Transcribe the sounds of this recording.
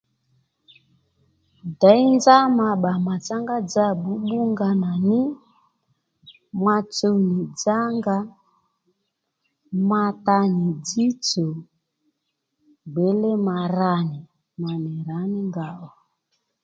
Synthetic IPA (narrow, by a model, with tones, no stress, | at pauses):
da˨˦i˦nd͡za˦ma˨ɓa˨ma˨t͡sa˦ŋɡa˦d͡za˦˨ɓu˨˦ɓu˦ŋɡa˦na˨nɪ˦ | mwa˧t͡so˦ni˨d͡za˦ŋɡa˦ | ma˧ta˧ni˨d͡zi˦t͡so˨ | ɡ͡be˨˦le˦ma˨ɾa˦ni˨ | ma˨nɛ˨ɾa˨˦ni˦ŋɡa˨ʔɔ˨